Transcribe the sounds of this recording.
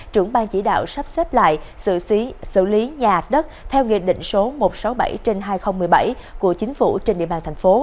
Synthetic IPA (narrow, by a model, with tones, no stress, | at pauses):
t͡ɕɨ˧˩əŋɓaː˧nt͡ɕḭ˧˩ɗa̰ː˧˨wsa˦˥p̚sɛ˦˥p̚la̰ː˧˨j | ɨ̰˧˨˦sɨ̰˧˨li˨˦ɲaː˨˩haː˨˩t̚ɗə˦˥t̚t̪ʰɛ˧wŋḭ˧˨ən̚ɗḭ̈˧˨ŋ̟so˨˦mo˨˩t̚sa˨˦wɓa˧˩jt͡ɕe˧nɦaː˧jxə˧wŋ͡mmɨ˨˩əjɓa˧˩j | ku˧˩ət͡ɕï˨˦ŋ̟fṵ˧˩t͡ɕe˧nɗḭ˧˨əɓaː˧˩nt̪ʰŋ̟fo˨˦